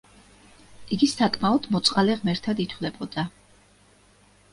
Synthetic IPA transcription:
iɡisakʰʼmaɔd̪mɔt̪sʼqʼalɛʁmɛɾt̪ʰad̪it̪ʰwlɛbɔd̪̥a

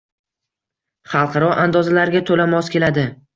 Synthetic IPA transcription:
χɑlˠqʰɑɾɒʔand̪ɒzalaɾɡʲat̪ʰolamɒskʲe̞lad̪ɪ

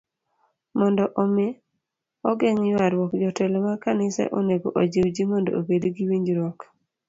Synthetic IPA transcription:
mɔndɔʔomɪ | ɔɡeŋjwaɾwɔkd͡ʒɔtɛlɔmakanɪsɛ̰ʔoneɡo̰ʔod͡ʒewd͡ʒimɔndo̰obedɡiwiɲd͡ʒɾwɔk

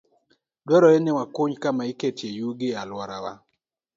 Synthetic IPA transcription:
dwɔɾɔenɪwakuɲkamaiketjejuɡɪalwɔɾawa̰

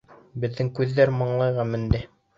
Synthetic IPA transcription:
bɘ̆ðːɘŋkʉðːæɾmɤ̆ɴlˠɑjʁɑmɘ̆nd̪ɘ

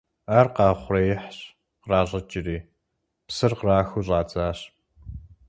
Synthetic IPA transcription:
aːrqɑːχʷrɐjɪħɕ | qraːɮʼɐt͡ʃʼɪriː | psɨrqraːxuɕʼɑːt͡saːɕ

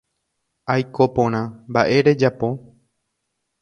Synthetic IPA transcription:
ajkopõɾ̃ãmbaʔe̞ɾe̞d͡ʒapo̞

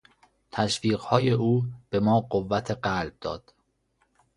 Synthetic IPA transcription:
t̪ʰæʃviːɢhɒːje̞ʔuːb̥e̞mɒːɢovːæt̪ʰe̞ɢælb̚d̪ɒ̰ːd̪̥

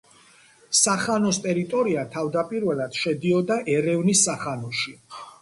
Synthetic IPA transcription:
saχanɔst̪ʼɛɾit̪ʼɔɾiat̪ʰavd̪apʼiɾvɛlˠad̪̥ʃɛd̪iɔd̪aʔɛɾɛvnisːaχanɔʃi

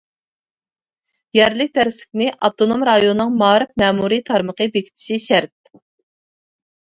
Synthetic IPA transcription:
jɛɾlɪk̚ʲd̪æɾɪslɪ̥kʲnɪʔɑt̪ʰonomɾɑjonnːɨŋmɑːɾɨp̚mɛːmuɾit̪ʰɑɾməqəbekʲʰi̥t͡ʃ̪ʰi̥ʃiʃæɾt̪̚

